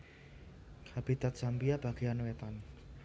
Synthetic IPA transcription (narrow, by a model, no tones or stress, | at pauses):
kʰab̥it̪at̪̚sampiab̥a̤ɡ̥ianwet̪an